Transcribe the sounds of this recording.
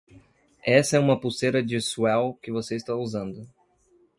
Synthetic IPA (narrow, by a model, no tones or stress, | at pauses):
ɛsɐɛũmɐpuseɾɐd͡ʒɪsuɛwkɪvoseɪst̪auzɐ̃nd̪ʊ